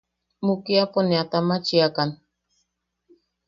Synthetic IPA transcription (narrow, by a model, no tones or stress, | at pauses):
mukiaponeat̪amat͡ʃiakan